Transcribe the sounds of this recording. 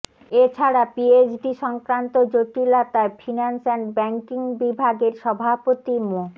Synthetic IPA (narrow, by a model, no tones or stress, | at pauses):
et͡ɕʰaɾapied͡ʑɖiʃɔŋkɾant̪od͡ʑoʈilat̪aefʰinansɛnbɛŋkiŋbibʱaɡeɾʃɔbʱapot̪imo